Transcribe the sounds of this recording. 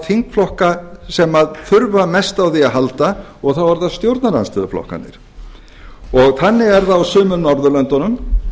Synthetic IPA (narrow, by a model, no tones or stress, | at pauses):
θiŋkflɔhkasɛmaðθʏɾvamɛst̪awθiaðɦalt̪a | ɔɣθawvaɾðast̪jowɾt̪naɾanst̪ɪðʏflɔ̰hka̰nɪ̰ɾ̥ | ɔɣθanːɪɣɛɾðaːwsʏːmʏmnɔɾðʏlœnt̪ɔnʏm